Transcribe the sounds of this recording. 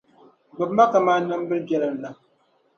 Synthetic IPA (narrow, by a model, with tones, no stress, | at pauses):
bɨ˨bma˦ka˨maː˦nɨ˦m˦bɨ˦lbɛ˦lɨ˨m˨la˨